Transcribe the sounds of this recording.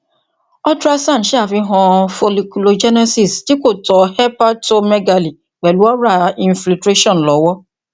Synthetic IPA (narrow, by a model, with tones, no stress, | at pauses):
ɔ˦tɾa˦sã˦˨n̩˨ʃe˦a˦˨fi˧ɦɔ̃˧fo˧li˧ku˨lo˧d͡ʒɛ˦nɛ˦si˦˨sti˦ko˦˨tɔ˨hɛ˦pa˦to˦mɛ˦ɡa˧li˨ | k͡pɛ˨lu˨˦ɔ˦ɾa˦˨ĩ˧nfli˧tɾe˦ʃɔ̃˦˨lɔ˨˦wɔ˦